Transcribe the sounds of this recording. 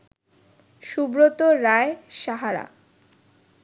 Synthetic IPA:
ʃubɾot̪oɾaeʃaɦaɾa̰

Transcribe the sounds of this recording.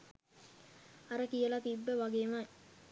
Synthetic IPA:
aɾəkijəlat̪ibːəʋaɡeːma

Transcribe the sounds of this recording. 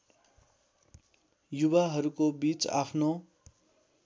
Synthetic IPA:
jubaɦʌɾukobit͡sa̰pʰno

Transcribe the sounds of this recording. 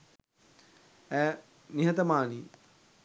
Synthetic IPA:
æː | niɦɐt̪ɐmaːni

